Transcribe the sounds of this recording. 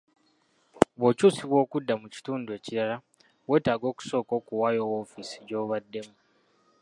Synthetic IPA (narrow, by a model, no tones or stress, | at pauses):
βo̞ːcuːsiβwo̞ːkudːamuci̥tuːndue̞ːciɾala | we̞ːtaːɡo̞ːku̥so̞ːko̞ːkuwaːjo̞wofisi̥ɟo̞ːβadːe̞mu